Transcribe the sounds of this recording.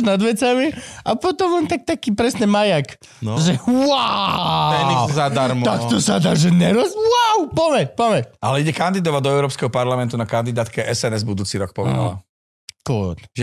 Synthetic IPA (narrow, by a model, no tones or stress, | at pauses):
nad̪ʋɛt͡samiapɔt̪ɔmlant̪ak̚t̪akiːpɾɛsɲɛmajak | nʒɛwa | ɛizadt̪aɾmt̪akt̪ɔsad̪aːʒɛɲɛɾɔzwawpɔmɛpɔʋɛcalɛiɟɛkand̪id̪ɔʋaɟ̚d̪ɔɛʊɾɔːpskɛɦɔpaɾlamɛnt̪unakand̪id̪aːt̪kɛɛsɛnɛzbud̪uːt͡siɾɔk̚pɔʋɛ̰d̪a̰la̰ | klɔt̪ʒɛ